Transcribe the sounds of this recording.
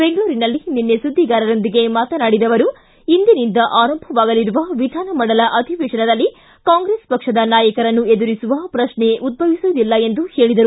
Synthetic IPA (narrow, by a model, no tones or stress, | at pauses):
be̞ŋɡɐɭuːɾinɐlːininːesud̪ʱːiɡaːɾɐɾo̞nd̪iɡe̞maːt̪ɐnaːɽid̪ɐʋɐɾu | ind̪inind̪ɐʔaːɾɐmbʱɐʋaːɡɐliɾuʋɐʋid̪ʱaːnɐmɐɽɐlɐʔɐd̪ʱiʋeːʂɐnɐd̪ɐlːi | kaːŋɡɾeːspɐkʂɐd̪ɐnaːjɐkɐɾɐnːue̞d̪uɾisuʋɐpɾɐʃneʔud̪̚bʱɐʋisuːd̪ilːɐe̞nd̪uhe̞ːɭid̪ɐɾu